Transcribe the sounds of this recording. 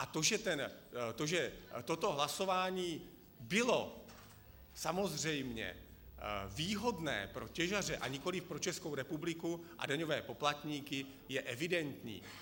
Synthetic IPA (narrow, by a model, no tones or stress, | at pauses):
ʔat̪o̞ʒɛt̪ɛnt̪oʒɛt̪o̞t̪o̞ɦlaso̞vaːɲiː | bɪlo̞ | samo̞zr̝ɛjmɲɛ̰ | viːɦo̞dnɛ̰ːpɾo̞cɛʒar̝ɛʔaɲɪko̞lɪfpɾo̞t͡ʃɛskowɾɛpublɪkuʔa̰daɲo̞vɛːpo̞plat̪ɲiːkɪ | jɛʔɛvɪdɛnt̪ɲḭː